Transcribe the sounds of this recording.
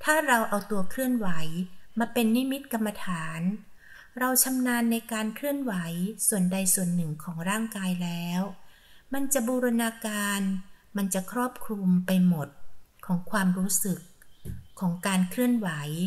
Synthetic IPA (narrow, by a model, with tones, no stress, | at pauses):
t̪ʰaː˥˩ɾa˧wʔa˧wt̪u˧ɐkʰɾɯ˥˩ənwa˩˦jmaː˧pe˧nːi˦˥mi˦˥t̪̚ka˧mːa˧t̪ʰaː˩˦n | ɾa˧wt͡ɕʰa˧mnaː˧nːa˧jkaː˧nkʰɾɯ˥˩ənwa˩˦jsu˨˩ənda˧jsu˨˩ənːɯ˨˩ŋkʰɔː˩˦ŋɾaː˥˩ŋkaː˧jlɛː˦˥w | ma˧nt͡ɕa˨˩ʔbuː˧ɾa˧naː˧kaː˧nma˧nt͡ɕa˨˩kʰɾɔː˥˩p̚kʰɾu˧mpa˧jmo˨˩t̪̚kʰɔː˩˦ŋkʰwaː˧mɾuː˦˥sɯ˨˩kʰː | ɔː˩˦ŋkaː˧nkʰɾɯ˥˩ənwa˩˦j